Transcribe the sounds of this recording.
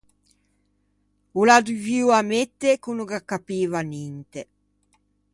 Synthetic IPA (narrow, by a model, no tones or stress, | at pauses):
ulad̪uviwamet̪ːekunuɡakːapiːvanint̪e